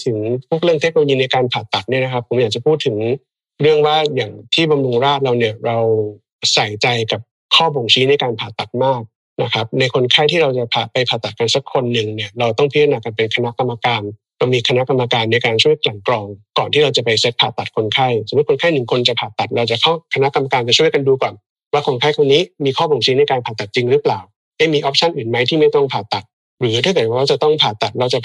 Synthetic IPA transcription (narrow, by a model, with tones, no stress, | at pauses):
t̪ʰɯ˩˦ŋpʰu˥˩k̚ɾɯ˥˩ŋt̪ʰe˦˥no˧o˧jiː˧na˧jkaː˧npʰaː˨˩t̪ːa˨˩t̪̚ni˥˩ɐna˦˥kʰa˦˥pʰːo˩˦mjaː˨˩k̚t͡ɕa˨˩pʰuː˥˩t̪ʰːɯ˩˦ŋ | ɾɯ˥˩əŋwaː˥˩jaː˨˩ŋt̪ʰiː˥˩ba˧mɾu˧ŋɾaː˥˩t̪̚ɾa˧wni˥˩əɾa˧w | sa˨˩˦jt͡ɕa˧jka˨˩p̚ | kʰɔː˥˩bo˨˩ŋt͡ɕʰi˦˥na˧jkaː˧npʰaː˨˩t̪ːa˨˩t̪̚maː˥˩k̚ | na˦˥kʰa˦˥p̚na˧jkʰo˧nkʰa˥˩jt̪ʰiː˥˩ɾa˧wt͡ɕa˨˩pʰaː˨˩pa˧jpʰaː˨˩t̪ːa˨˩t̪̚ka˧nsa˦kʰːo˧nːɯ˨˩ŋni˥˩ɐɾa˧wt̪ɔ˥˩ŋpʰi˦˥˧naː˧ka˧npe˧nkʰa˧na˦˥ʔka˧mːa˧kaː˧n | la˧wmiː˧kʰa˧na˦˥ʔka˧mːa˧kaː˧nːa˧jkaː˧nt͡ɕʰu˥˩əjkla˨˩ŋklɔː˧ŋkɔː˨˩nt̪ʰiː˥˩ɾa˧wt͡ɕa˨˩pa˧jse˦˥t̪̚pʰaː˨˩t̪ːa˨˩t̪̚kʰo˧nkʰa˥˩jsa˨˩˦ko˧nkʰa˥˩jnɯ˨˩ŋkʰo˧nt͡ɕa˨˩pʰaː˨˩t̪ːa˨˩t̪̚ɾa˧wt͡ɕa˨˩kʰa˥˩kʰa˧na˦˥ʔka˧ma˧kaː˧nt͡ɕa˨˩t͡ɕʰu˥˩əjka˧nduː˧kɔː˨˩n | waː˥˩kʰo˧nkʰa˥˩jkʰo˧niː˦˥miː˧kʰɔː˥˩bo˨˩ŋsiː˦˥na˧jkaː˧npʰaː˨˩t̪ːa˨˩t̪̚t͡ɕi˧ŋɾɯː˦˥plaː˨˩w | da˥˩jmiː˧ʔɔː˦˥p̚t͡ɕʰa˥˩nʔɯː˨˩nma˦˥jt̪ʰiː˥˩ma˥˩jt̪ɔ˥˩ŋpʰaː˨˩t̪ːa˨˩t̪̚ | ɾɯː˩˦t̪ʰa˥˩t̪ɛː˨˩wa˦waː˧˥˩t͡ɕa˨˩t̪ɔ˥˩ŋpʰaː˨˩t̪ːa˨˩t̪̚ɾa˧wt͡ɕa˨˩